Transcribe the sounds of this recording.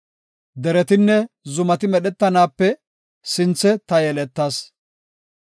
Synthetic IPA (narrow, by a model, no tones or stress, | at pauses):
d̪ɛɾɛt̪ɪnːɛzʊmɐt̪ɪmɛɗɛt̪ːɐnaːpːɛ | sɪnt͡sːɛt̪ɐjɛlɛt̪ːaːs